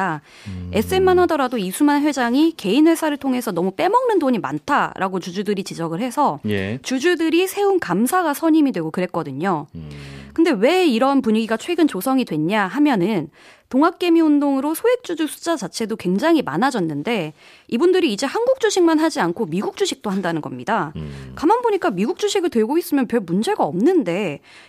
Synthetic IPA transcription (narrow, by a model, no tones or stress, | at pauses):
a | e̞s͈ɯe̞nːanadʌɾadoisʰumanɸɥe̞d͡ʑaŋike̞inwe̞sʰaɾɯɭtʰoŋɦe̞sʰʌnʌmup͈e̞mʌŋnɯndoɲima̰ntʰaɾʔa̰ɡot͡ɕud͡ʑudɯɾit͡ɕid͡ʑʌɡɯɭhe̞sʰʌt͡ɕud͡ʑudɯɾisʰe̞unkamsʰaɡasʰʌɲimidwe̞ɡokɯɾe̞t̚k͈ʌdɯɲo | kɯnde̞we̞iɾʌnpuɲiɡiɡat͡ɕʰwe̞ɡɯnt͡ɕosʰʌŋidwe̞ɲɲaɦamjʌnɯn | toŋak̚k͈e̞miundoŋɯɾosʰoe̞k̚t͡ɕ͈ud͡ʑusʰu̥t͡ɕ͈at͡ɕat͡ɕʰe̞dokwe̞ŋd͡ʑaŋɦima̰nad͡ʑʌnːɯnde̞ | ibundɯɾiːd͡ʑe̞hanɡuk̚t͡ɕ͈uɕʰiŋmanɦad͡ʑiankʰomiɡuk̚t͡ɕ͈uɕʰik̚t͈oɦandanɯnɡʌ̰mɲidakamanboɲik͈amiɡuk̚t͡ɕ͈uɕʰiɡɯɭtwe̞ɭɡois͈ɯmjʌnpjʌɭmund͡ʑe̞ɡaʌmnɯnde̞